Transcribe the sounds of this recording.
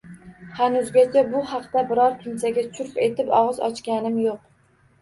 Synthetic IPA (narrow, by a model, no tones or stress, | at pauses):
hanʊzɡʲat͡ʃʰabʊhɑqt̪abɪɾɒɾkʰʲɪnsaɡʲat͡ʃʰʊɾpe̞t̪ʰɪpɒʁɨzɒ̰t͡ʃkʲanɪmjoq